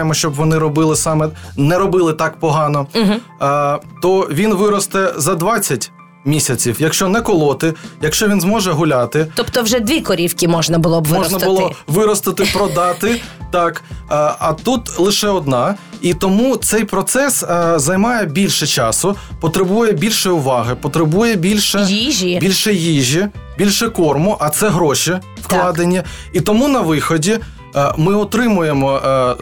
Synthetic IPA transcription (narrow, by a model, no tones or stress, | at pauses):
jemɔʃt͡ʃɔbʋɔnɪɾɔbɪlˠɪsɑmɛnɛɾɔbɪlˠɪt̪ɑkpɔɦɑnɔɦ | t̪ɔʋʲinʋɪɾɔst̪ɛzɐd̪ʋɑt͡sʲːɐtʲ | mʲisʲɐt͡sʲiwjɐkʃt͡ʃɔnɛkɔlˠɔt̪ɪjɐkʃt͡ʃɔʋʲinzmɔʒɛɦʊlʲɑt̪ɪɔpt̪ɔwʒɛd̪ʲʋʲikɔɾʲiwkʲɪmɔʒnɐbʊlˠɔbʋmmɔʒnɐʊlˠʋɪɾɔst̪ɪt̪ɪpɾɔd̪ɑt̪ɪt̪ɑkːɐt̪ut̪lˠɪʃɛɔd̪nɑit̪ɔmut̪sɛjpɾɔt̪sɛszɐjmɑjɛbʲilʲʃɛt͡ʃɑsʊpɔt̪ɾɪbujɛbʲilʲʃɛʊʋɑɦɪpɔt̪ɾɪbujɛbʲilʲʃɛjiʒibʲilʲʃɛjiʒʲibʲilʲʃɛkɔrmʊʔɐt̪sɛɦɾɔʃiwklˠɑd̪enʲːɐit̪ɔmunɐʋɪxɔdʲi | mɪɔt̪ɾɪmʊjemɔ